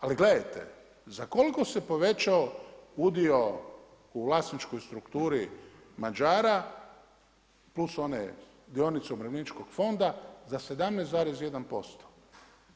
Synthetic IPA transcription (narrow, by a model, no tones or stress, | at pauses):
aliɡle̞d̪ajt̪e̞̰ | zako̞liko̞se̞po̞ʋe̞t͡ʃaoud̪io̞ | uʋlˠast̪nit͡ʃko̞jst̪ɾukt̪uːɾi | mad͡ʒaːɾa | pluso̞nḛ | d̪io̞nit̪seumɾeʋlʲinit͡ʃkoɡ̥fo̞nd̪azase̞d̪amnejszaːɾesje̞d̪anpo̞st̪o̥